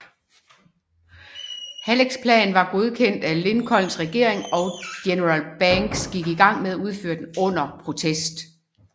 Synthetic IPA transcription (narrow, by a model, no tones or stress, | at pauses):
hæleɡ̥spʰlɛ̰ːn̩ʋɑ̈ɡ̥o̝ð̞ˠkʰen̰d̥æle̝nkʰɒ̽lnsʁɛɡ̥e̝ɐ̰eŋɒ̽ɡ̥enəʁɑlb̥æŋɡ̥sɡ̥iɡ̥iɡ̥ɑ̈ŋ̰með̞ˠæuð̞ˠfø̰ːɐd̥enɔ̽n̰ɐpʰʁo̝t͡sʰesd̥